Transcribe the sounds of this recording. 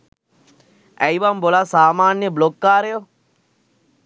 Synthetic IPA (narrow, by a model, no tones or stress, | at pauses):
ɛjʋɐmbolasaːmaːnjəblokːaːɾejo